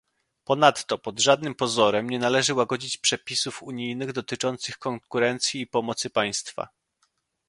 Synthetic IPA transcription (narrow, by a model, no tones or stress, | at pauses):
pɔnat̪ːɔpɔd̪ʐad̪nɘmpɔzɔɾɛmɲɛnalɛʐɘwaɡɔd͡ʑit͡ɕpʂɛpʲisufuɲijnɘɣd̪ɔt̪ɘt͡ʂɔnt̪sɘxkɔŋkuɾɛnt̪sʲjiːpɔmɔt̪sɘpaj̃st̪fa̰